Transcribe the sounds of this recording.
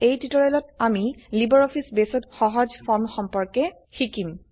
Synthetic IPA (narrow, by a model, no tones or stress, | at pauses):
ejtitɔɹɛlɔtamilibɔɹɔpʰisbesɔtxɔɦɔzfɔnxɔmpɔɹkɛ | xikim